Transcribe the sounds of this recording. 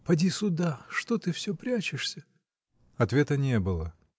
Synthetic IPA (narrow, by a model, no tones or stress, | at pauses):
pɐdʲisʊd̪aʂt̪ot̪ɨfsʲɵpɾʲat͡ɕɪʂsʲə | ɐt̪vʲet̪ənʲebɨlˠə